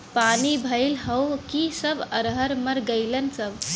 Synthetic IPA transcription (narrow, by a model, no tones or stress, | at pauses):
panibʱəɪlɦəwkisəbʱəɾɦəɾməɾɡəɪlənsəbʱ